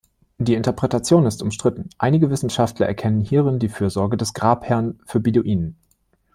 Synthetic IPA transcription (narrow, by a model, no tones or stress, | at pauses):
d̥iːɪntɐpʁ̥ɛtat͡sjoːnɪstʊmʃtʁ̥ɪtn̩ʔaɪnɪɡəvɪsn̩ʃaftʰlɐʔɛ̰ɐkʰɛnənhiːʁɪndiːfyːɐzɔɐɡədɛsɡ̥ʁaːphɛɐnfyːɐbiduʔiːnən